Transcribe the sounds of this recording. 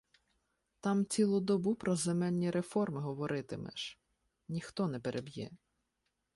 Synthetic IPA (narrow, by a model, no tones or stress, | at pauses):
t̪ɑmt͡sʲilˠud̪ɔbupɾɔzemɛlʲnʲiɾʔefɔrmɪɦɔʋɔɾʔɪt̪ɪmɛ̰ʒ̥ | nʲixt̪ɔnɛpeɾʔebʲjɛ̰